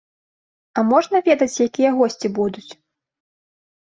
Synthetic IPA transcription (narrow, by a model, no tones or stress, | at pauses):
ɐmɔʐnɐvʲɛd̪ɐt͡sʲjakʲijɛɣɔsʲt͡sʲibud̪ut͡sʲ